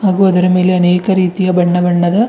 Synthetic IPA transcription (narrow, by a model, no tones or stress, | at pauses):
haːɡuɐd̪ɐɾɐme̞ːleɐneːkɐɾiːt̪ijɐbɐɳːɐbɐɳːɐd̪ɐ